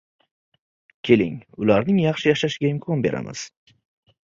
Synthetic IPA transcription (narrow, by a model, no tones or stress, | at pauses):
kʲʰe̞lɪ̰ŋʊlaɾnɪŋjɑχʃɪjaʃaʃɪɡʲaɪmkʰɒnbe̞ɾa̰mɪ̰z̥